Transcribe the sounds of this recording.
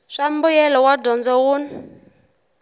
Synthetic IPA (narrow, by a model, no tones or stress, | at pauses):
ʂam̩bujɛlɔwadɔnd͡zɔwuːn